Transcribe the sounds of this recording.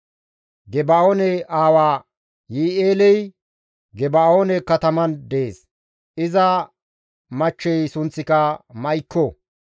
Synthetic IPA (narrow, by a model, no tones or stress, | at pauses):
ɡɛbaːoːnɛʔaːwaː | jiːeːlɛj | ɡɛbaːoːnɛkɐt̪ɐmɐnd̪e̞ːs | ʔɪzɐ | mɐt͡ʃːɛjsʊnt͡sːɪkɐmɐjkːɔ